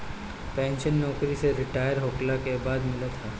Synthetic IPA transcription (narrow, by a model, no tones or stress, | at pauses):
pɛ̃ːnʃənːɔːkɾiseɾɪʈaːjəɾɦoːklakebaːd̪mɪlat̪ʰaː